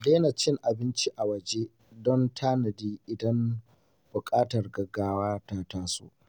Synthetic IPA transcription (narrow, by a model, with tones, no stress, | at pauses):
leː˦nɐ˨t͡ʃːɪ˦ŋʔa˨bɪ˦nt͡ʃi˦ʔa˨wɐ˨d͡ʒe˦ | dɔ˦ntʰaː˦nɐ˨diː˦ʔɪ˨dɐ˦m | bʊ˨kʼaː˦tɐ˨rɡɐ˦ɡaː˦waː˦taː˦taː˦so̰ː˦ʔ